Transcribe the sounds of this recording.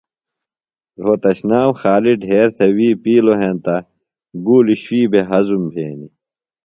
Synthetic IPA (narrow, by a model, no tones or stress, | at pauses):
ɾoːt̪ɐɕnaːmxaːliɖʱɦeːɾt̪ʰewiːpiːloɦẽnt̪ɐ | ɡuːliɕwiːbʱeɦɐzumbʱeːni